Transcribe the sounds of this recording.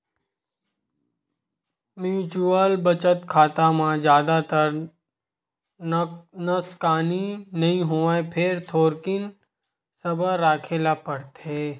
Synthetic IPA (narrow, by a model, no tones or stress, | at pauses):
mjuːt͡ʃuəlbɐt͡ʃət̪kʰaːt̪amãd͡ʒjaːd̪at̪əɾ | nɐskaːninɐɦĩɦoːãpʰɪɾt̪ʰoːɾkɪn | sɐbəːaːkʰeːlapɐɽt̪eː